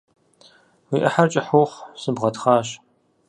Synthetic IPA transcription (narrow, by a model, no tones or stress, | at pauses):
wiːʔɐħart͡ʃʼɪħʊχʷsɨbʁɐtχɑːɕ